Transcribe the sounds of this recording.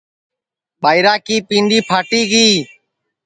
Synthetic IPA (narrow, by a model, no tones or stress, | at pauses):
ɓaːɪɾaːkiːpĩːɳɖiːpʰaːʈiːɡiː